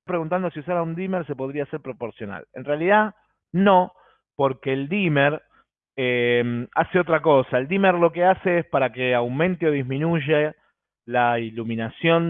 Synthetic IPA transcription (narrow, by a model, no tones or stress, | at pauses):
apɾe̞ɣunt̪and̪o̞siusaɾaund̪imeɾse̞po̞ð̞ɾiaseɾpɾo̞po̞ɾsjona̰lḛnrealiða | no̞ | po̞ɾkeːld̪imeɾ | emaseo̞t̪ɾako̞saeld̪imeɾlo̞kease̞espaɾakeawmẽ̞nt̪eo̞ð̞iɦmĩnuʒe | lailuminasjo̞n